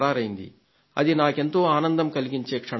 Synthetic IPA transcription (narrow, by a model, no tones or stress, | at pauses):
aːɾɐjind̪ḭ | ɐ̰d̪inaːke̞nt̪o̞ːaːnɐnd̪ɐmkɐliɡiɲt͡ʃe̞ːkʂɐ